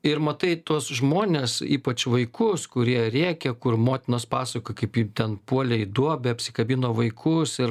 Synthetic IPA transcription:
ɪɾmɐt̪ɐɪt̪uɔsʒmoːnʲeːsiːpɐt͡ʃʋɐɪkʊskʊɾʲiɛɾʲeːkʲɛkʊrmoːt̪ʲɪnoːspɑːsɐkojkɐɪpjiːt̪ʲɛnpuɔlʲɛɪd̪uɔbʲɛɐpʲsʲɪkɐbʲinoːʋɐɪkʰʊsɪɾ

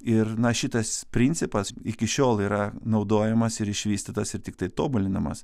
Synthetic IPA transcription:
ɪrnɐʃʲɪt̪ɐspʲɾʲinʲtsʲɪpɐsɪkʲɪʃʲoːlˠiːɾɐnɒʊd̪oːjɛmɐsɪɾɪʃʲʋʲiːsʲt̪ʲɪt̪ɐsɪɾt̪ʲɪk̚t̪ɐɪt̪oːbʊlʲɪnɐmɐ̰s

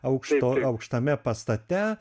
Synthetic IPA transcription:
ɐʊkʃt̪oːɐʊkʃt̪ɐmʲɛpɐst̪ɐt̪ʲɛ

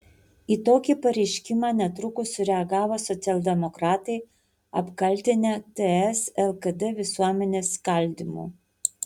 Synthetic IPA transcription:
iːt̪oːkʲipɐɾʲɛɪʃʲkʲɪmɑːnʲɛt̪ɾʊkʊsʲʊɾʲɛɐɡɑːʋoːsɔt̪sʲɛlʲˠd̪ʲɛmɔkɾɑːt̪ɐɪ | ɐpkɐlʲˑt̪ʲɪnʲɛːt̪ɛɛsɛlˠkɐd̪ɛʋʲɪsuɔmʲɛnʲeːskɐlʲd̪ʲimṵː

